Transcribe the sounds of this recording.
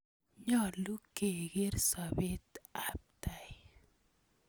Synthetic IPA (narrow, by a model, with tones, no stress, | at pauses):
ɲɔ˦˨lu˦ke˨ɡe˦ɾsa˨be˦t̪a˦p̚t̪a˨j